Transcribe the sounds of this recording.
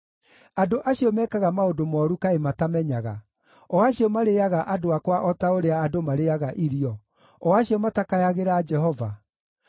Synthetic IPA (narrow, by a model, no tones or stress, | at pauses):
adoʔaɕijɔmɛːkaɣamaodomɔɾukaematamɛɲaɣa̰ | ɔaɕiɔmaɾejaɣaʔadoakwaʔɔtaoɾeaːdomaɾeaɣaʔiɾiɔ | ɔaɕiɔmatakajaɣeɾaːd͡ʒɛɦɔva